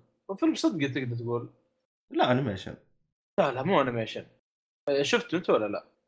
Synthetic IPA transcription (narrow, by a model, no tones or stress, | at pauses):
wfilmsˤɨd̪ɡit̪̬ɪɡd̪ɑɾt̪ɡuːl | laʔanamaʃɪ̰n | lalaʔmuːʔanamaʃɪn | ʃʊft̪ʔɪnt̪walːala̰ʔ